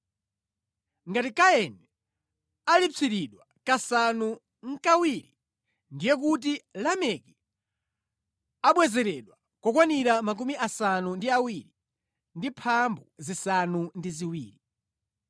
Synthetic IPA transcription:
ŋɡatikaɛnɛ | alit͡sʰiɾiɗwa | kasanu | ŋ̩kawiɾi | ndijɛk̬ut̬ilamɛki | aɓwɛzɛɾɛɗwa | kɔkwaniɾamak̬umiʔasanundiawiɾi | ndipʰambuzisanundiziwiːɾi

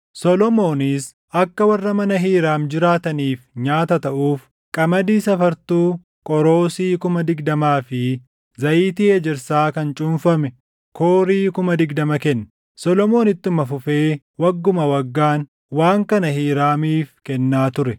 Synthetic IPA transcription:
sɔlɔmo̞ːnɪs | ɐkːɐwɐrːɐmɐnɐɦiːɾaːmd͡ʒɪɾaːt̪ɐniːfɲaːt̪ɐt̪ɐʔuːf | kʼɐmɐd̪iːsɐfɐɾt̪uː | kʼɔɾo̞ːsiːkʊmɐd̪ɪɡd̪ɐmaːfɪ | zɐʔiːt̪ɪed͡ʒɪɾsaːkɐnt͡ʃʼʊmfɐmɛ | koːɾiːkʊmɐd̪ɪɡd̪ɐmɐkɛnːɐ | sɔlɔmo̞ːnɪt̪ːʊmɐfʊfeː | wɐɡːʊmɐwɐɡːaːn | waːŋkɐnɐhiːɾaːmiːfkɛnːaːt̪ʊɾɛ

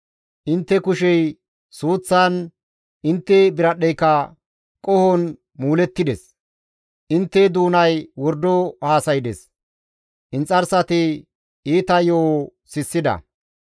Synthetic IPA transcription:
ʔɪnt̪ːɛkʊʃɛj | suːt͡sːan | ɪnt̪ːɛbɪɾɐɗɛjkːɐ | kʼɔhɔn | muːlɛt̪ːɪd̪ɛs | ʔɪnt̪ːɛd̪uːnɐjwɔɾd̪ɔhaːsɐjɪd̪ɛ̰s | ʔɪnt͡sʼɐɾsɐt̪ɪ | iːt̪ɐjoːsɪsːɪd̪ɐ̰

